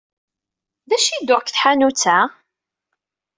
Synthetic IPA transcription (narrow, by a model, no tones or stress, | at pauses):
ðæʃid̪ʊʁkθħanut͡sːæ